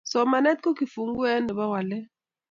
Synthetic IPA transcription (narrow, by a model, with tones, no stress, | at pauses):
sɔ˨ma˨nɛ˦t̪̚ko˦ki˨fu˨ŋ˦ɡwɛ˦nɛ˨ɓa˦wa˨lɛ˦